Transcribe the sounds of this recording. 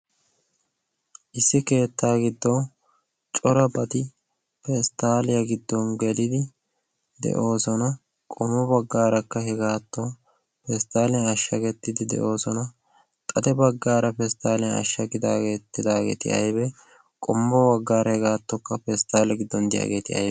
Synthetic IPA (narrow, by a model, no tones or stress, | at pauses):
ʔɪsːɪke̞ːt̪ːaːɡɪd̪ːoː | t͡ʃʼɔɾɐbɐt̪ɪ | pɛst̪aːlɪjɐɡɪd̪ːɔŋɡɛlɪd̪ɪ | d̪ɛ̰ʔo̞ːsɔnɐ | kʼɔmːɔbɐɡːaːɾɐkːɐhɛɡaːt̪ːɔ | pɛst̪aːlɪjɐɐʃːɐɡɛt̪ːɪd̪ɪd̪ɛ̰ʔo̞ːsɔnɐ | t̪ʼɐd̪ɛbɐɡːaːɾɐpɛst̪aːlɪjɐɐ̰ʃːɐɡɪd̪aːɡe̞ːt̪ːɪd̪aːɡḛːt̪ɪʔɐ̰jbɛ | kʼɔmːɔbɐɡːaːɾɐhɛɡaːt̪ːɔkːɐfɛst̪aːlɐɡɪd̪ːɔnd̪ɪja̰ːɡe̞ːt̪ɪʔɐ̰j